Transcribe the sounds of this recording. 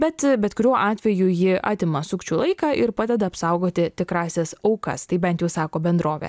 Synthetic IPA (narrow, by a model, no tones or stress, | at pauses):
bʲɛt̪bʲɛt̪kʊɾʲuɔʔɑːt̪ʲʋʲɛjujɪʔɑ̰ːt̪ʲɪmɐsʊkt͡ʃʲuːlˠɐɪkɑːʔɪɾpɑːd̪ʲɛd̪ɐɐpsɐʊɡoːt̪ʲɪt̪ʲɪkɾɑːsʲɛsɐʊkɐ̰st̪ɐɪbʲɛnt̪jɛʊsɑːkoːbʲɛnd̪ɾoːʋʲɛ̰